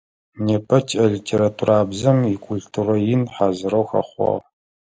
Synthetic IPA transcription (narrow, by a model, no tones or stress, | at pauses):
neːpʰʼɐt͡ʃʰʼɐɮitʰeːɾatʰuraːbzɐmikʷʰʼuɮtʰurɐjɪnħaːzɨɾɐwxɐ̰χʷɑ̰ʁ